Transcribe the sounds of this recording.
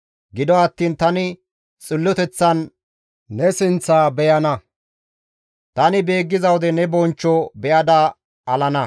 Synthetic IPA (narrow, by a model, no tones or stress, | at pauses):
ɡɪd̪ɔɐt̪ːiːnt̪ɐnɪ | t͡sʼɪlːɔt̪ɛt͡sːɐn | nɛsɪnt͡sːaːbɛjɐnɐ | t̪ɐnɪbe̞ːɡːɪzɐwɔd̪ɛnɛbɔnt͡ʃːɔbɛjɐd̪ɐ | ɐlɐnɐ